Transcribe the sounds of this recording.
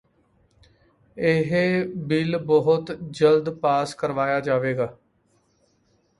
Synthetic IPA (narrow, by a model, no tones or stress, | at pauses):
eɦebɪlbɔɦʊt̪d͡ʒəld̪paːskəɾʋaːjaːd͡ʒaːʋeːɡaː